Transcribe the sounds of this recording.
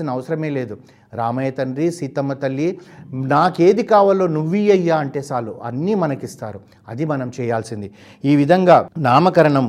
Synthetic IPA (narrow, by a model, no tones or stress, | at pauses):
inɐːʋɐsɐɾɐme̞ːle̞ːd̪u | ɾaːmɐjɐt̪ɐnɾisit̪ɐmɐt̪ɐlːinaːke̞ːd̪ikaːʋɐlo̞ːnuʋːijɐjːaːɐɳʈe̞ːsaːlːuʔɐ̰nːimɐnɐkist̪aːɾu | ɐ̰d̪imɐnɐmt͡ʃɛːjaːlsind̪i | iːʋid̪ʱɐŋɡaːnaːmɐkɐɾɐɳɐm